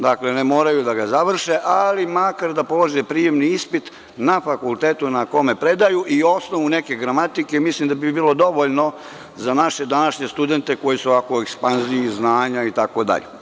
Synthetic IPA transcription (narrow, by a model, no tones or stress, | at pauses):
d̪aklenemo̞ːɾajud̪aɡazaʋr̩ʃeʔalimakaɾd̪apo̞loʒepɾije̞mniispit̪ | nafakulˠt̪eːt̪unako̞me̞pɾe̞d̪ajuʔio̞snoʋune̞ke̞ɡɾamat̪ike̞mislˠimd̪abibiːlˠo̞d̪o̞ʋoʎno̞ | zanaʃe̞d̪anaʃɲest̪ud̪e̞nt̪e̞ko̞jiseoʋakoekspanziiznaːɲait̪ako̞d̪a̰ʎḛ